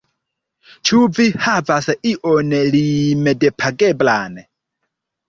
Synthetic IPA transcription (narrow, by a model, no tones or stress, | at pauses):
t͡ʃʰuvihavasɛʔiʔɔnɛlimɛdɛpʰaɡɛblaːnɛ